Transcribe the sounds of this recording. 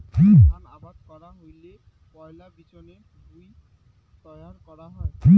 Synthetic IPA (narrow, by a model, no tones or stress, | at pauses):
kianabad̪kɔɾaɦojle | pɔelabit͡ɕone | d̪uj | t̪ɔjaɾkɔɾaɦɔki